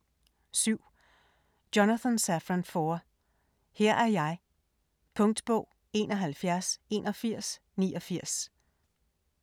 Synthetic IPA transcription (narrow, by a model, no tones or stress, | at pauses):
syʊ̰ | d̥onæθɔnsæfʁænfɔːɐ | hɛɐ̰ʔæɐjɑ̈ɪ | pʰɔ̽ŋd̥b̥ɔʊ̰ | e̝ːnʔɒɦælfjæɐse̝nʔɒ̽fiɐ̰s | niːʔɒ̽fiɐ̰s